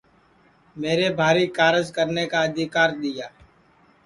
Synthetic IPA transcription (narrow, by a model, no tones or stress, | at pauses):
meːɾebʱaːɾikaːɾəd͡ʒkəɾnekaəd̪ʱɪkaːɾd̪ɪjaː